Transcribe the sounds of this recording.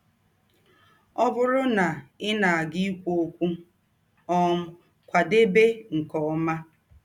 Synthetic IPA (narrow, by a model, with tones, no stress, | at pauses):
ɔ˦bʊ˦ɾʊ˦na˨ɪ˦na˨a˨ɡi˦i˦kʷo˦kʷu˦ | ɔ˦ŋ̩˦ | kʷa˨de˦be˦ŋ̩˨kɔ˨ɔ˦ma˦